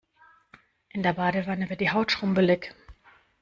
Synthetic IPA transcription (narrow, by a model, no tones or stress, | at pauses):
ʔɪndeːɐbaːdəvanəvɪdiːɦaʊtʃʁ̥ʊmbəlɪk